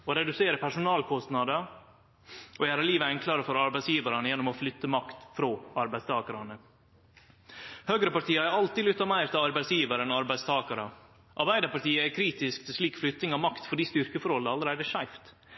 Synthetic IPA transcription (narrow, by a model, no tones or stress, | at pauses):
ɔɾɛd̪ʉseːɾəpʰæʂʊnɑːlkʰɔst̪nɑd̪ə | ɔjæːɾəliːʋəɛŋkʰlɑɾəfɔɾɑɾbæɪsjiːʋɑɾɑnəjɛnːɔmɔflʏt̪ːəmɑkt̪fɾoːɑɾbæɪst̪ʰɑːkɑɾɑnə | høːɡɾəpɑʈʰiːɑæɾɑlt̪ɪlʏt̪ːɑmæɪɾt̪ʰɪlɑɾbæɪsjiːʋəɾəɛnɑɾbæɪst̪ʰɑːkɑɾə | ʔɑɾbæɪd̪əpɑʈiːəɛkʰɾiːt̪ɪskt̪ʰɪlʂliːkflʏt̪ːnɪŋɑmɑkt̪fɔɖiːst̪ʏɾkəfɔɾɔləɑləɾæɪd̪əʂæɪft̪